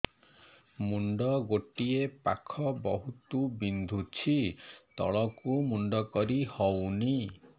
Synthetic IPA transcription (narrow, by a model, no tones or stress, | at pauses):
muɳɖɔɡoʈiepakʰɔbɔɦut̪ubind̪ʱut͡ʃʰit̪ɔ̰ɭɔkumuɳɖɔkɔɾihɔwni